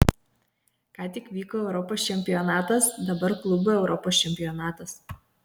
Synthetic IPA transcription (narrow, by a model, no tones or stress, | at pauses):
kɑːt̪ʲɪkʋʲiːkoːɛʊɾɔpoːst͡ʃʲɛmʲpʲɪjɔnɑːt̪ɐsd̪ɐbɐɾklˠʊbʊɛʊɾʔɔpoːsʲt͡ʃʲɛmʲpʲɪjɔnɑːt̪ɐs